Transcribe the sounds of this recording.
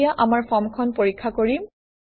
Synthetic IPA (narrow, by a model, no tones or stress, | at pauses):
jaʔamaɹpʰɔmkʰɔnpoɹikʰːakoɹim